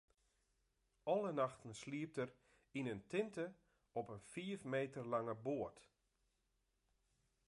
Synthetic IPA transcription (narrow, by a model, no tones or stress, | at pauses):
ʔɔlˠənaxtən̩sliəp̚tər | inəntʰɪntə | ɔpənfiəfmeːtərlɑŋəboərt